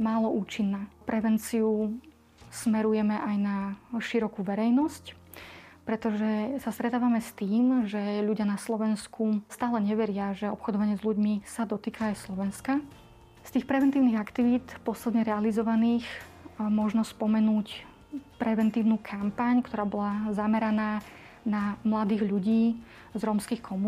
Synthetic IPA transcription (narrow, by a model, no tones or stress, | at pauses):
maːlɔʔuːt͡ʃinːaːpɾɛʋɛnt͡siu | smɛɾujɛmɛʔajnaʃiɾɔkuʋɛɾɛjnɔsc | pɾɛt̪ɔʒɛsast̪ɾɛt̪aːʋamɛst̪iːmʒɛʎuɟɪanaslɔʋɛnskust̪aːlɛɲɛʋɛɾɪaʒɛɔpxɔd̪ɔʋaɲɪɛzluɟmisad̪ɔt̪iːkʰaːjslɔʋɛnska | st̪iːxpɾɛʋɛnt̪iːʊniɣakt̪iʋiːt̪pɔslɛd̪ɲɛɾɛalizɔʋaniːx | mɔʒnɔspɔmɛnuːc | pɾɛʋɛnt̪iːʊnukʰampaɲkt̪ɔɾaːbɔlazamɛɾanaː | namlad̪iːɣʎuɟiː | zɾɔmskiːxkʰɔmu